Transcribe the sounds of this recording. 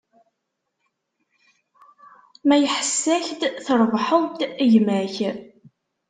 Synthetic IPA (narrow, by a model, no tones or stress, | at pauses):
mæjəħəsːæçd̪θəɾˤvħəðˤt̪jmæç